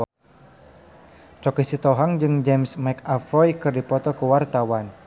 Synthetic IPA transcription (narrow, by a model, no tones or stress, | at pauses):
t͡ʃɔkisit̪ɔɦaŋd͡ʒɨŋd͡ʒɛmsmɛkafɔjkɨrdipɔt̪ɔkuwart̪awan